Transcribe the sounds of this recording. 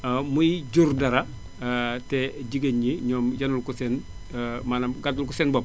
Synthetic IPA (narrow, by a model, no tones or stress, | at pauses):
mujiɟuɾdɐɾa | teɟiɡeɲiɲɔːmjanulkusen | manamɡadulkusenbob